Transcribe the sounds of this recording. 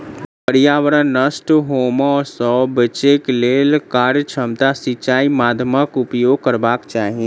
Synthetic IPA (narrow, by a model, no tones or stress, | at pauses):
pəɾjaːʋəɾənːəsʈɦoːmɔːsɔːbət͡ʃekleːlkaːɾjt͡ʃʰəmt̪asɪt͡ʃaːimaːd̪ʱməkʊpjoːɡ̚kəɾbaːkt͡ʃaːɦiẽ